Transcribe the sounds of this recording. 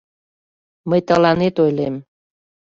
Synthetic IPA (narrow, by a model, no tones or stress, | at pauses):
məjt̪əlɑnet̪ojlem